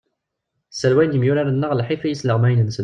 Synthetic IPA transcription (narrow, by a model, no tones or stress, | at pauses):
sælwæjnjəmjʊɾaɾanːəʁlħifæjisləʁmæjnəns